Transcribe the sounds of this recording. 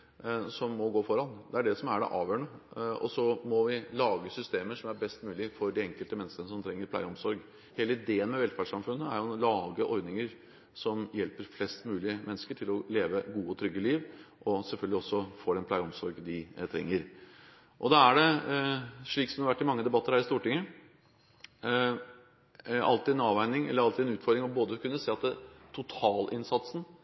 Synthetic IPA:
sɔmːɔɡoːfɔɾɑnd̪ɛæɖɛsɔmæɖɛ̰ʔɑ̰ːʋjøːɳəɔ̰sɔmɔʋɪlɑːɡəsʏst̪eːməʂɔmæɾbɛst̪mʉːlɪfɔɾd̪ɪɛŋkəlt̪əmɛnːəskənəsɔmt̪ʰɾɛŋːəɾplæ̰ɪɔmsɔɾɡ | heːləɪd̪eːənmɛʋɛlfæʂɑmfʉnːəæɾjʊlɑːɡəʔɔɾd̪nɪŋəɾ | sɔmjɛlpəɾflɛst̪mʉːlɪəmʔɛnːəskəʈʰɪlɔleːʋəɡuːɔt̪ʰɾʏɡːəliːʋʔɔsɛlfœlɡəlɪɔsːɔfoːɖɛnpʰlɑːɡəɔmsɔɾɡd̪ɪt̪ʰɾɛ̰ŋːəɾ | ʔɔd̪ɑæɖɛ | ʂɭiːksɔmd̪ɑɾʋæʈːɪmɑŋːəd̪ɛbɑt̪ːəɾhæːɾɪst̪uːʈɪŋːə | ɑ̰lt̪ɪɛnɑːʋæɪnɪŋɛ̰lːəɾɑlt̪ɪɛnʉːt̪fɔɾɖ̪ɾɪŋɔboːd̪əkʰʉnːəseːɑt̪̚d̪ɛt̪ʰʊt̪ʰɑːlʔɪnsɑt̪sn̩

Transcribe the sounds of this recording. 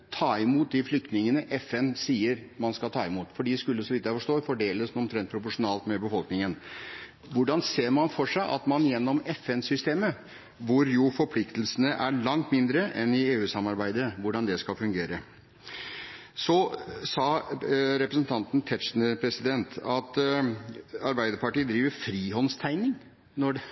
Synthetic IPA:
t̪ʰɑːɪmuːt̪̚d̪ɪflʏk̚t̪nɪŋənəʔɛfɛnsiːəɾmɑnskɑt̪ʰɑːɪmuːt̪fɔɖiːskʉlːəsɔʋɪt̪ːjæɪfɔʂt̪oːfɔɖeːləsɔmt̪ʰɾɛnt̪̚pʰɾʊpʊʂʊnɑːlt̪mɛbəfɔlknɪŋən | ʋʊɖɑnseːɾmɑnfɔʂæɪʔɑ̰t̪mɑnjɛnːɔmɛfɛnsʏst̪eːmə | ʋʊɾjʊfɔɾpʰlɪkt̪lsənəʔæɭɑŋt̪mɪnd̪ɾəʔɛnɪeːʉːsɑmːɑɾbæɪd̪əʋʊɖɑnd̪ɛskɑlfʉŋɡeːɾə | sɔsɑːɾɛpɾəsn̩t̪ʰɑnt̪n̩t̪ʰɛt̪ʂnəpʰɾɛsɪd̪ɛnt̪ɑt̪ | ɑɾbæɪd̪əɾpɑʈiːd̪ɾiːʋəɾfɾiːɦɔnst̪ʰæɪnɪŋ | nɔɖ

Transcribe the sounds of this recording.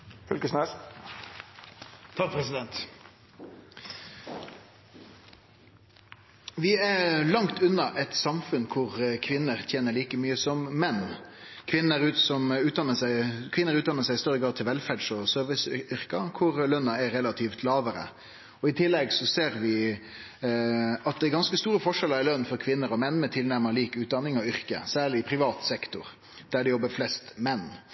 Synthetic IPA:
fʉlkəsnɛ | t̪ʰɑk̚pʰɾɛsɪd̪ɛnt̪ | ʋɪælɑŋt̪ʉnːɑʔɛt̪sɑmfʉnkʰʊʁkʰʋɪnːəʁt̪ʰjeːnəɾɭiːkəmyːəsɔmmɛnːkʰʋɪnːəɾʉːt̪sɔmʉːt̪̚ɑnəkʰʋɪnːəɾʉːd̪ɑnːəʂæɪst̪uːɾəɡɾɑːd̪̚t̪ʰɪlʋɛlfæɖʂɔsøːɾʋɪsʏʏɾkɑkʰʊɾlœnːɑɛɾɛlɑt̪ʰiːft̪ʰlɑːʋəɾə̰ | ɔɪt̪ʰɪlːɛɡsɔseːɾʋɪ | ɑt̪̚d̪ɛɡɑnskəst̪uːɾəfɔʂɛləɾæɾlœnːfɔɾkʰʋɪnːəɾɔmɛnːmɛt̪ʰɪlnæɾməliːkʉːt̪̚d̪ɑnːɪŋɔʏɾkə̰sæːɭɪɪpʰɾɪʋɑːt̪sɛkt̪ʊɾ | d̪̥æɖɛjɔbːəflɛst̪mɛnː

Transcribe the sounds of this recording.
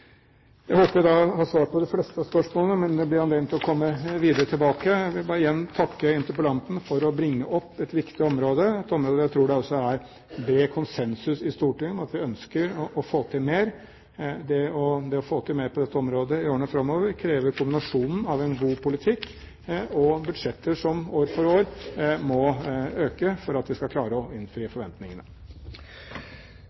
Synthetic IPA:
jæɪhoːpəɾæɪd̪ɑhɑːsʋɑːɾpʰɔd̪ɛflɛst̪əɑspœʂmoːləmɛnd̪ɛblɪɾɑnd̪ɛːmt̪ʰːɪlɔkʰɔmːəʋiːd̪əɾət̪ʰɪlbɑːkəʋɪlbɑːɾəjɛnːt̪ʰɑkːəɪnt̪əɾpəlɑnt̪n̩fɔɾɔbɾɪŋːəʔɔpːɛt̪ʋɪkt̪ɪɔmɾoːd̪əɛt̪ɔmɾoːd̪əjæɪt̪ʰɾuːɖɛɔsːɔæɾ | bɾeːkʰʊnsɛnsʉsɪst̪uːʈɪŋɑt̪ʋɪœnskəɾɔʔɔfoːt̪ʰɪlmeːɾ | d̪ɛɔd̪ɛɔfoːt̪ʰɪlmeːɾpʰɔd̪ɛt̪ːəɔmɾoːd̪əɪjoːəɳəfɾɑmːoːʋəɾkʰɾeːʋəɾkʰʊmbɪnɑʂuːnn̩ɑʋɛnɡuːpʰʊlɪt̪ʰɪkː | ɔbʉd̪ʂɛt̪ːəʂɔmoːɾfɔɾoːɾmɔøːkəfɔɾɑt̪ʋɪskɑkʰlɑːɾəɔɪnːfɾiːəfɔɾʋɛnt̪nɪŋənə̰

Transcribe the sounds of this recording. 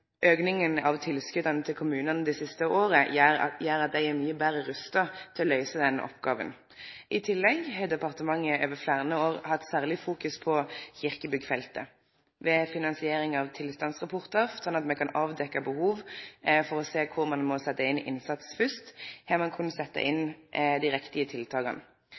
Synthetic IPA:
ʔøːɡnɪŋənɑʋt̪ʰɪlskʉd̪ɑnət̪ʰɪlkʰʊmʉːnənəd̪ɛsɪst̪əoːʁəjæːʁɑt̪̚d̪æɪæʁmyːəbæɾəɾʉst̪ɑt̪ʰɪlɔlœʏsəd̪ɛn̰ʔɔ̰pɡɑːʋə̰n | ʔɪt̪ʰɪlːɛɡɦɛd̪ɛpɑʁt̪əmɑŋːəʔøːʋəflæːʁənəoːʁhɑt̪ːsæːʁlɪfuːkʉspʰɔçɪʁkəbʏɡfɛlt̪ə̰ | ʋɛfɪnɑnsɪeːɾɪŋɑʋt̪ʰɪlst̪ɑnsʁɑpʰɔʁt̪əɾsɔnɑt̪mɛkʰɑnɑːʋd̪ɛkːɑbəhuːʋfɔʁɔseːkʰʊɾmɑnmɔsɛt̪ːəɪnɪ̰nsɑt̪sfʏst̪hæːʁmɑnkʰʉnːəsɛt̪ːə̰ʔɪnd̪iɪɾɛkt̪ɪət̪ʰɪlt̪ʰɑːɡɑ̰n

